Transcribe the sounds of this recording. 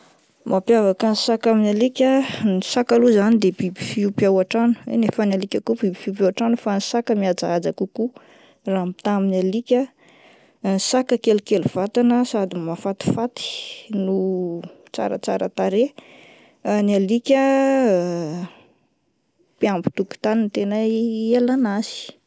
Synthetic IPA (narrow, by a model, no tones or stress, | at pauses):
mʔapjavakanisakaminalikʲənisakaluzanid̪ebibifiupiawaʈ͡ʂanu̥ḛnefənalikʲakubibifiupawaʈ͡ʂanufanisakəmiad͡zaad͡zakuku | raɦmi̥t̪aminalikʲə | nsakəkelukeluv̥at̪anəsad̪imafat̪i̥fat̪i̥nu | t͡sa̰ɾə̰t͡saɾə̰t̪aɾe | nialikʲə | piambu̥t̪uki̥t̪anint̪enaelanasi̥